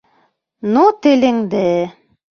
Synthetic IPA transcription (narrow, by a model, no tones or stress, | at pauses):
nut̪ɘ̆lɘ̆ŋd̪ɘ